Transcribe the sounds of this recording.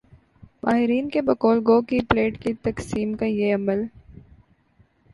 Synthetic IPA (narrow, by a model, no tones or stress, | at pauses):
maːɦɪɾiːnkebɐkoːlɡoːkipleːʈkit̪ɐksiːmkajeɐməl